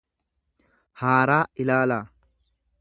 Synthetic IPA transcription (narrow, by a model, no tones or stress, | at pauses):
haːɾaːɪlaːlaː